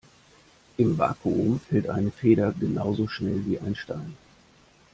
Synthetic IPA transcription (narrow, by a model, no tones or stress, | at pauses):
ʔɪmva̰ːkʰuʊmfɛltʔa̰ɪnəfeːɾɐɡənaʊzoʃnɛlviːʔa̰ɪnʃtaɪn